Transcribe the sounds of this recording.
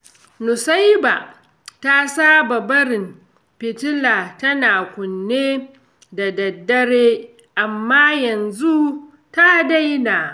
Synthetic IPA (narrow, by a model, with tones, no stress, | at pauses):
nʊ˨sa˦jba̰˨ | ta˦saː˦ba˨bɐ˦ɾɪ˨m | pɪ˨tɪ˦laː˨tɐ˦naː˨kʷʊ˨nːeː˦ | da˨dɐ˨dːɐ˦ɽeː˦ | ʔa˨mːaː˦jɐ˨nzu˦ | ta˦da˦jnaː˨